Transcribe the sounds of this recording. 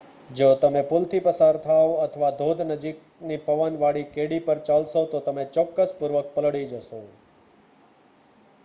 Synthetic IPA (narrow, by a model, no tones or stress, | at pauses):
d͡ʒot̪əmepult̪ʰipəsaɾt̪ʰaoət̪ʰəʋad̪ʱod̪ʱnəd͡ʒik̚ | nipəʋənʋaɽikeɽipəɾt͡ʃalʃot̪ot̪əmet͡ʃɔkːəspuɾʋək̚pəlɽid͡ʒəʃo